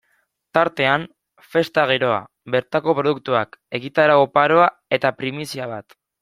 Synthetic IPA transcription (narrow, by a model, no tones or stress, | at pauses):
t̪aɾt̪e̞an | fe̞st̪aɣ̞iɾo̞a̰ | be̞ɾt̪ako̞pɾo̞ðuk̚t̪uake̞ɣit̪aɾaopaɾo̞a | e̞t̪apɾimisiaβ̞at̪